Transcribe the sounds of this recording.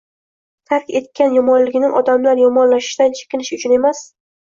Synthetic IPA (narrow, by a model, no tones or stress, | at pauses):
t̪ʰaɾkʲe̞t̪̚kʲʰanjɒmɒnlɪɡʲɪnɪŋʔɒd̪amlaɾjɒmɒnlaʃɪ̥ʃd̪ant͡ʃʰe̥kʲɪnɪʃʊt͡ʃʰʊne̞mas